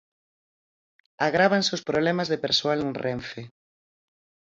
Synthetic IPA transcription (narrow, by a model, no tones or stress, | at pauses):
aɣɾaβanseospɾoβlɛmazðepeɾsoalenrʔɛɱfe